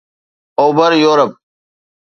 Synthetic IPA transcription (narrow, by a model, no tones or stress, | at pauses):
oːbəɾjoːɾəp̚